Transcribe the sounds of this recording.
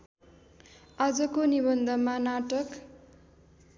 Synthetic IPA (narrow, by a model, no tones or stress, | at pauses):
ad͡zʌkonibʌnd̪ʱʌmanaʈʌk